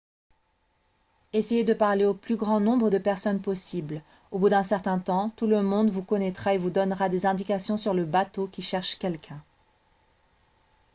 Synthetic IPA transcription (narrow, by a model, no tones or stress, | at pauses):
esejed̪əpaʁleoplyɡʁɑ̃nɔ̃bʁəd̪əpɛʁsɔnpɔsibl | obud̪ɛ̃sɛʁt̪ɛ̃t̪ɑ̃t̪uləmɔ̃d̪vukɔnɛt̪χaevud̪ɔnʁad̪ezɛ̃d̪ikasjɔ̃syʁləbat̪okʲiʃɛʁʃkʲɛlkʰʲɛ̃